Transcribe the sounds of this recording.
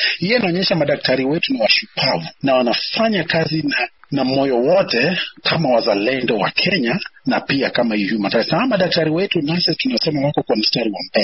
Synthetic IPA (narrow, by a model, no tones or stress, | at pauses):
hijinaɔɲɛʃamaɗak̚tʰaɾiwɛtuniwaʃupʰavunawanafaɲakazinanamɔjɔwɔtɛkʰamawazalɛndɔwa̰kʰɛɲanapiakamaijumataɾisaamaɗak̚taɾiwɛtunasitunajɔsɛmawakɔkwamistaɾiwambɛlɛ